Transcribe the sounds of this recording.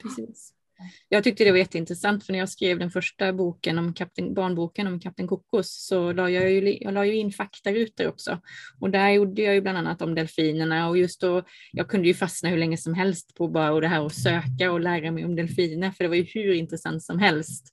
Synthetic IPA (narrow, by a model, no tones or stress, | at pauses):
pʰɾɛsiːs | jɑːɡt̪ʰʏk̚t̪əd̪ɛvaɾjɛt̪ːəɪnt̪ɾɛsant̪fœɳæɾjɑːɡskɾeːvd̪ɛnfœʂʈabuːkənɔmkʰap̚t̪ɛnbɑːɳbuːkənɔmkʰap̚t̪ɛnkʰʊkːʊsːɔlɑːjɑːjjɑ̰ːlɑːjɵɪnːfakt̪aɾʉ̟ːt̪əɾɔ̰ksɔ̰ɔd̪æɾjʊɖːəjɑːjɵbland̪anːat̪ɔmd̪ɛlfiːnəɳaɔjɵst̪̚d̪ɔjʔɑːɡ̚kʰɵnd̪əjɵfasnahʉɾɭɛŋːəsɔmɦɛlst̪pʰɔbɑːɾaɔd̪ɛɦæːɾɔsøːkaɔlæːɾamɛjɔmd̪ɛlfiːnafœɖɛvajɵhʉɾɪnt̪ɾɛsa̰nt̪sɔmɦɛlst̪